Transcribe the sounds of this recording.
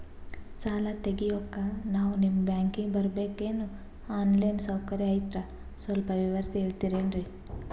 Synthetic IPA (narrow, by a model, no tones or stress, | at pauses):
t͡ʃaːlɐt̪eɡijoːkːɐnaːʋunimːbjaːŋkiŋɡbɐɾbeːkenu | aːnlɐjnsɐwkɐɾiɐjt̪ɾɐ | sʋɐlpɐʋiʋɐɾsieːɭt̪iɾeːnɾi